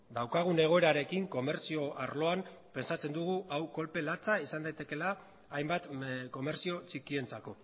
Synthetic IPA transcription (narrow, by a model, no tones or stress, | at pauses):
d̪awkaɣ̞une̞ɣ̞o̞e̞ɾaɾe̞kiŋko̞me̞ɾsio̞ʔaɾlo̞ampe̞nsat͡se̞nd̪uɣ̞uʔawko̞lpe̞lat͡saisand̪ajt̪e̞ke̞laː | jmbat̪ko̞me̞ɾsio̞t͡ʃikie̞nt͡sako̞